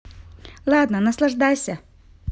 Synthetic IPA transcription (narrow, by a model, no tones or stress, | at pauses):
lˠad̪nənɐslˠɐʐd̪ajsʲə